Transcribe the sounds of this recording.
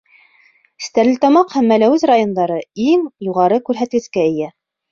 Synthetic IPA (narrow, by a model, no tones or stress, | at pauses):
st̪æɾlɘt̪ɑmɑqhæmːælæwɘzrajond̪ɑɾɤiŋjuʁɑɾɤkʉɾɦæt̪ɡɘ̆skæɘ̆jæ